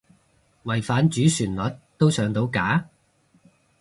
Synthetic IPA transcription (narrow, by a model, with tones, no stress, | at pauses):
wɐ˨˩jfaː˨˥nt͡ʃyː˨˥syː˨˩nlɐ˨˥t̚t̪ːo˥wsœː˨˧ŋt̪o˨˥wkaː˨˥